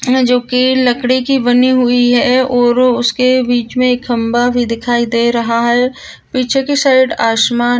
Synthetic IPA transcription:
d͡ʒoːkilɐkɽikibɐniɦʊiɦɛɔːɾʊskebiːt͡ʃmẽːkɦɐ̃mbabʱid̪ɪkʰaːid̪eːɾɐɦaɦɛ | piːt͡ʃʰekesaːɪɖaːʃmaː

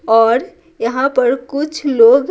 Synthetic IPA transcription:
ɔːɾ | jəɦãpəɾkʊt͡ʃʰloɡ

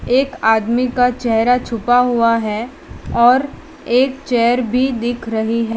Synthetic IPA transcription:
eːkaːd̪mikat͡ʃɛɦɾat͡ʃʰʊpaɦuaɦɛ | ɔːɾ | eːkt͡ʃɛːəɾbʱid̪ɪkʰɾɐɦiɦɛː

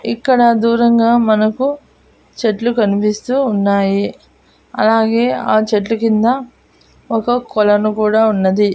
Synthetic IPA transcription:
ikːɐɽɐd̪uːɾɐŋɡaːmɐnɐku | t͡ʃeʈlukɐnipist̪uːnːaːji | ɐ̰laːɡe̞ːaːt͡ʃeʈlukind̪ɐ | ɔkɐkɔlɐnukuːɽaːunːɐd̪i

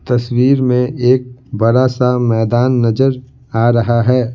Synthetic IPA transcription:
t̪ɐswiːɾmẽʔeːk̚bɐɾasamɛːd̪aːnːɐzəɾ | aːɾɐɦaɦɛː

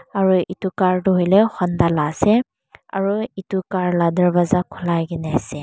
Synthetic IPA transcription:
aɹuʔitukaɹtuɦojlɛxɔndalasɛ | a̰ɹuitukaɹladəɹbazakʰulaɡɛnɛasɛ

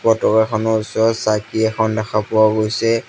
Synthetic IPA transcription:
pɔtɔkɛxʰɔnɔusɔsakiɛkʰɔndɛxapʊwaɡojsɛ

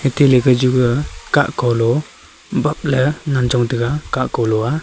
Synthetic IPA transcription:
heteleɡɯd͡ʒuɡəkaʔkɔlɔ | bap̚ləŋand͡ʒɔŋdɯɡakaʔkɔlɔa

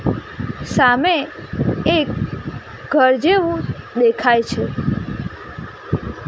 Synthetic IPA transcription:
sameː | k | ɡʱəɾd͡ʒeʋũd̪ekʰajt͡ʃʰe

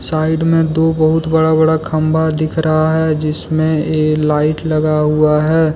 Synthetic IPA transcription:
saːɪɖmẽd̪oːbɐɦʊt̪bɐɽabɐɽakʰɐ̃mbad̪ɪkʰɾɐɦaɦɛd͡ʒɪsmẽeːklaːɪʈlɐɡaɦuaɦɛː

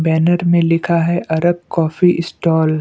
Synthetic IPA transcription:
bɛːnəɾmẽlɪkʰaɦɛʔɐɾəb̚kɔːfiʔɪsʈɔːl

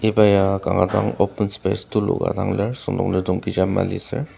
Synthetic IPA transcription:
ebajakaŋɡadaŋɔpɛnspestulɔ̰ɡa̰daŋlesɔndɔŋledɔŋkid͡ʒamːa̰lisɛ

